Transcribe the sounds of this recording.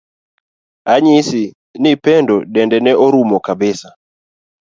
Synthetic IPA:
aɲɪsɪ | nɪpɛndɔdɛndɛnɛɔɾumɔkabɪsa

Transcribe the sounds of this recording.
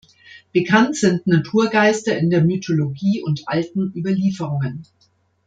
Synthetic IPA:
b̥əkʰantz̥ɪntnatʰuːɐɡaɪstɐɪndeːɐmytʰoloɡiːʔʊntʔaltn̩ʔyːbɐliːfəʁ̞ʊŋən

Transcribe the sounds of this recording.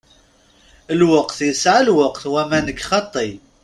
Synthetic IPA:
əlwəqθjəsʕalwəqθwæmænəkːχɑt̪ˤːi

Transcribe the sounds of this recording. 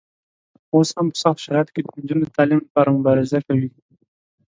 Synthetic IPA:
oshampə̥sɑxt̪ʃaɾɑjat̪o̥ked̪ənd͡ʒunod̪ət̪ɑlimlapɑɾamʊbɑɾɪzakawi

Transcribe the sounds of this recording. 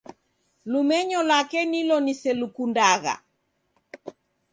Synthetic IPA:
lumɛɲɔlakɛnilɔnisɛlukundaɣa̰

